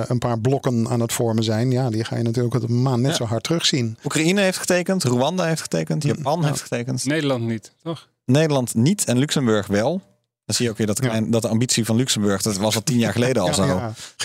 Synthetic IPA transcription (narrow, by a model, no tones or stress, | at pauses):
ənpaːɹblɔkəna̰ːnətfɔɹməzɛjnjaːdiχa̰ːjənatyːləkmaːnnɛtsowɦɑɹtrɵχsinukrainəɦejftχə̥tejkəntroɑndaɦejftχə̥tejkəntjapɑnɦejftχə̥tejkəntnejdəlɑntnitɔχ | nejdəlɑntnitʰɛnlyksəmbøɹχʋɛlˠ | dɑnzijəowkʋɪːɹdɔtəklɛjndɑt̚dəɑmbitsivɑnlyksəmbɵɹxdɑtʋɑsʋɔlˠtinjaːɹχəlejdəɑllˠzo